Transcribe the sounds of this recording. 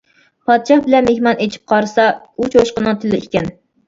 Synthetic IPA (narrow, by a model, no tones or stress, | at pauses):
pʰɑd̪ʃɑχbɪlɛnmehmɑnet͡ʃʰi̥p̚qʰɑɾɨsɑ | ut͡ʃʰoʃqənɨŋt̪ʰɪlɪikʲɛn